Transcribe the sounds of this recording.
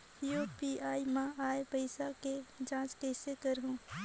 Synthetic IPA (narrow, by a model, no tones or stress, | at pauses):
jopiaːimãʔaːepəɪsaked͡ʒãːskeːsekəɾɦũː